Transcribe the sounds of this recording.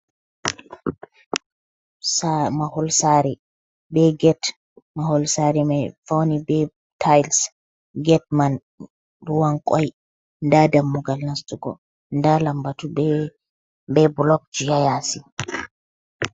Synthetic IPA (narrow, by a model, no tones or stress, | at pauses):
samahɔlsaɾi | bɛɡɛt | mahɔlsaɾimajfawnibɛ | tʰajls | ɡɛt̚man | ɾuwaŋkʼɔ̰j | ndadamːuɡalnastuɡɔ̰ | ndalambatubɛ | bɛblɔk̚d͡ʒijajasi